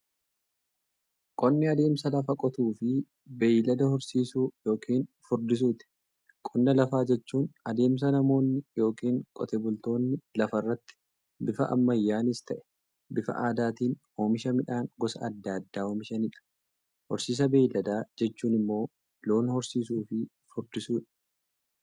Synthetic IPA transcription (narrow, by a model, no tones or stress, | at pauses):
kʼɔnːɪɐd̪e̞ːmsɐlɐfɐkʼɔt̪uːfɪ | bɛlɐd̪ɐhɔɾsiːsuːjo̞ːkʰiːnfʊɾd̪ɪs̬uːt̪ɪ̥ | kʼɔnːɐlɐfaːd͡ʒɛt͡ʃːuːnɐd̪e̞ːms̬ɐnɐmo̞ːnːɪjo̞ːkiːŋkʼɔ̰t̪ɛːbʊlt̪o̞ːnːɪlɐfɐrːɐt̪ːɪ̥ | bɪfɐ̰ʔɐ̰mːɐjːaːnɪst̪ɐʔɛ̥ | bɪfɐ̰ʔaːd̪aːt̪iːn | oːmɪʃɐmɪᶑaːŋɡɔsɐ̰ɐd̪ːad̪ːaːoːmɪʃɐnɪᶑɐ̥ | hɔɾsiːs̬ɐbeːjlɐd̪aːd͡ʒɛt͡ʃːuːnɪmːo̞ː | lo̞ːnhɔɾsiːs̬uːfɪ | fʊɾd̪ɪsuːᶑɐ̥